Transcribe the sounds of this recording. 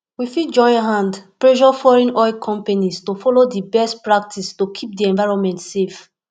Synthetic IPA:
wifid͡ʒɔ̃ɪ̃ɦãndpɹɛʃɔfɔɹɛ̃nɔjkʰɔ̃mpanistofɔlodibɛstpɹak̚tʰistokʰip̚diɛ̃ɱvaɪɹɔ̃nmɛ̃ntsef

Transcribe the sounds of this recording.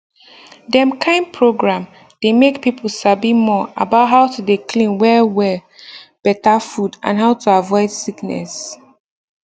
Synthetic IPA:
dɛ̃mkʰãɪ̃npʰɹoɡɹãm | d̥emekpipʰl̩sabimɔa̰baʊt̚ɦaʊtʰudekʰlĩnwɛwɛb̥ɛtafudã̰nɦaʊtʰuavɔɪd̥siknɛ̰s

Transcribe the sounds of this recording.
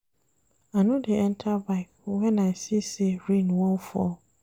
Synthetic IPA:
anõdeɛ̃ntʰabaɪkwɛ̃naɪsiseɹĩnwɔ̃nfɔ̰

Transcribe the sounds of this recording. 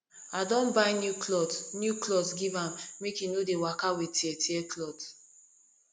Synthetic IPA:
adɔ̃nbaɪnjuklɔtnjuklɔtɡivãmːekinodewakawitiɛtiɛklɔd

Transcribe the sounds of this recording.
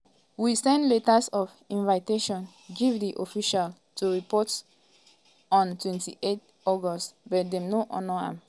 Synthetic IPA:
wisɛ̃ndletasɔf | ĩnvaɪteʃɔ̃n | ɡivdiʔofiʃal | tʰuɹipɔts | ɔ̃ntwɛ̃ntḭʔet | ɔɡɔstbɔt̚dɛ̃mnoʔɔ̃nɔã̰m

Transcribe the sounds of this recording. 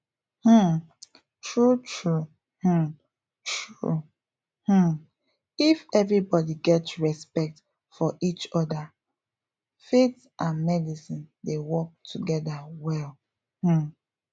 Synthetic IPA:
h̩ | tɹutʰɹu | h̩ | tʰɹu | h̩ | ifɛvɹibɔdiɡɛtɹɛspɛk̚t | fɔʔit͡ʃɔda | fet | ʔãnmɛdisĩndewɔk̚tʰuɡɛdawɛl | h̩

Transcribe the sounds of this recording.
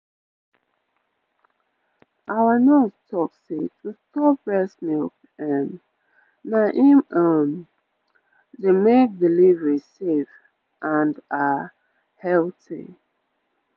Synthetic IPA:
ʔawənɔstʰɔksetustɔpɹɛsmilk | ɛ̃m | naʔiməm | demek̚dilivɹisef | ʔãnda | hɛltḭ

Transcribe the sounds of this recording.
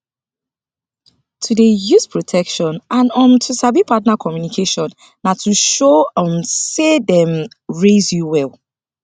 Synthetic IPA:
tʰudejuspʰɹɔtʰɛkʃɔ̃nãnɔ̃mtʰusabipʰatnakʰɔmjunikʰeʃɔ̃nː | atʰuʃoɔ̃msedɛ̃m | ɹezjuwɛlˠ

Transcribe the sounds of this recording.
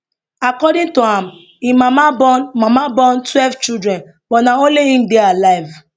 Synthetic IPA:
akɔdɪ̃ntoam̩ | imamabɔnmamabɔ̃ntwɛlvt͡ʃidɾɛ̃n | bɔnaõnleĩm̩dealaɪv

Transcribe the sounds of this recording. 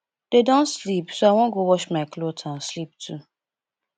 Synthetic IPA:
dedõntslipsoaw̃ɔ̃ɡowɔʃmaɪklotʰãnslip̚tʰu

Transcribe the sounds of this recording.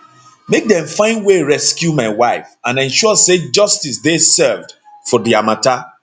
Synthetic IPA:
mek̚dɛ̃mfãɪ̃nweɹɛskjumaɪwaɪfãnɛ̃nʃɔɔsed͡ʒʌstisdesɛvd | fɔdiamata

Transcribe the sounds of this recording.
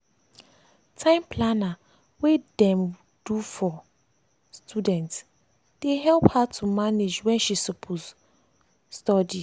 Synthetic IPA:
tʰãɪ̃mpʰlana | wedɛ̃m | dufɔ | stʰudɛ̃nts | d̥eɦɛlphatʰumaned͡ʒwɛ̃nʃisopʰos | stɔdi

